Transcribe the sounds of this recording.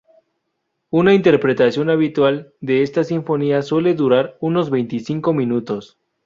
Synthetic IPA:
unaint̪e̞ɾpɾe̞t̪asjo̞naβit̪wald̪e̞est̪asiɱfo̞niaswe̞le̞ðuɾaɾuno̞zβe̞jnt̪isiŋko̞mĩnut̪o̞s

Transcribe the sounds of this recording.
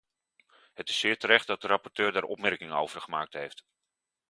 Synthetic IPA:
ɦətɪ̥sːɪːɹtəɾɛχtdɑt̚dərɑpɔɹtøːɹdaːɹʔɔpmɛɹkɪŋəno̰wv̥əɹχəmaːk̚tɦejft

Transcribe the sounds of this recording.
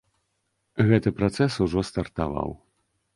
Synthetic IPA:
ɣɛt̪ɨpɾat̪sɛsuʐɔst̪ɐrt̪a̰va̰w

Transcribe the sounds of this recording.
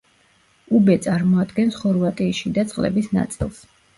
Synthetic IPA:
ubɛt̪sʼaɾmɔad̪ɡɛnsχɔɾvat̪ʼiːʃid̪at̪sʼqʼlɛ̰bisna̰t̪sʼilˠs

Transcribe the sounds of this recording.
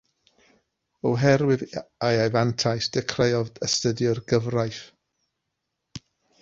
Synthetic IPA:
ɔɦɛɾwɪðajajvantʰajsd̥ɛkʰrejɔvəstədjʊrɡəvrajθ

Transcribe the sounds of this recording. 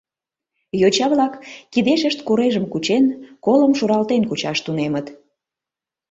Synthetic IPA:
jot͡ɕɑβlɑkːid̪eʃəʃt̪kuɾeʒəmkut͡ɕenkoləmʃuɾɑlt̪enkut͡ɕɑʃt̪unemət̪

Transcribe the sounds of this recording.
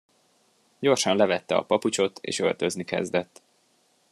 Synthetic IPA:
ɟo̞rʃɒnlɛvɛt̪ːɛɒ̰pɒput͡ʃo̞t̪ḛːʃø̞lt̪ø̞znikɛ̰zd̪ɛt̪ː

